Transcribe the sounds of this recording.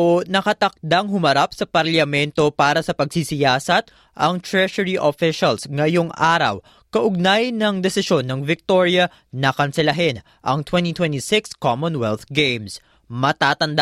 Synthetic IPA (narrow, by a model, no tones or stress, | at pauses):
onɐkɐt̪ɐk̚d̪aŋɦʊmɐɾapsɐpɐɾlɐmɛnt̪o̞paːɾɐsɐpɐɡsisɪjaːsɐt̪ | ʔɐŋt̪ɹɛʃɐɹiʔofɪʃɐlsŋɐjoŋʔaːɾɐ̰w | kɐʔʊɡ̚najnɐŋd̪ɛsɪʃo̞nːɐŋvɪk̚t̪o̞ɹjɐ | nɐkɐnsɛlɐɦɛn | ʔɐ̰ŋt̪wɛnt̪it̪wɛnt̪isɪkskomõnwɛlθɡejms | mɐt̪aːt̪ɐnd̪a